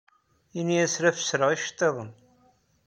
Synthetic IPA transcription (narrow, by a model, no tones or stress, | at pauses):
inːiæsɾæfə̥sɾəʁiʃt̪ˤːeðˤən